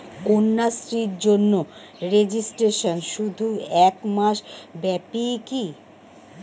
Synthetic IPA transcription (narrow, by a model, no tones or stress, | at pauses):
kunːasɾiɾd͡ʑonːo | ɾed͡ʑisʈɾeʃonʃud̪ʱuɛkmaʃbɛpiki